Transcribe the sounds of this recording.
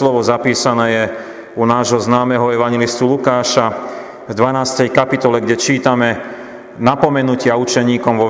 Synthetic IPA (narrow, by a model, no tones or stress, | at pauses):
lɔʋɔzapiːsanɛːjɛ | unaːʒɦɔznaːmɛɦɔɛʋaɲjɛlist̪ulukaːʃa | vd̪ʋanaːst̪ɛjkapit̪ɔlɛɡɟɛt͡ʃiːt̪amɛ | napɔmɛnucɪaut͡ʃɛɲiːkɔmʋɔ